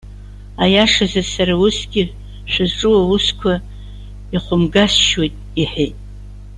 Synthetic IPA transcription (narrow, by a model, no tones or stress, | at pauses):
ajaʂazasaɾausɡʲɪ | ʃʷᶣazʈ͡ʂʼɨwauskʷʰa | iχʷʊmɡasʃwojtʼiħejtʼ